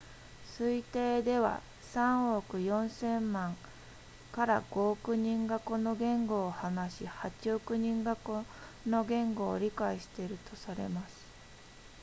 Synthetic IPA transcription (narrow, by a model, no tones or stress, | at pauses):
sɨit̪e̞ːd̪e̞βa̰ | sãɰ̃okɯ̟jõ̞ɰ̃sẽ̞mmãŋ | kaɾaɡ̥o̞ːkɯ̟ɲ̟ĩŋɡako̞no̞ɡẽ̞ŋɡo̞ːhanaɕihat͡ɕiokɯ̟ɲ̟ĩŋɡakono̞ɡẽ̞ŋɡo̞̰ːɾʲikaiɕi̥t̪e̞ɾɯ̟t̪ʰo̞saɾe̞̰masɨ̥